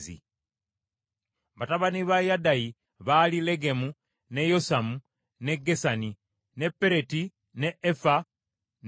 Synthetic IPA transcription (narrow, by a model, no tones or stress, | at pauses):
zḭ | βataβaniβajadaji | βalile̞ɡemu | ne̞jo̞samu | ne̞ɡesani | ne̞pːe̞ɾe̞ti | neʔefa | n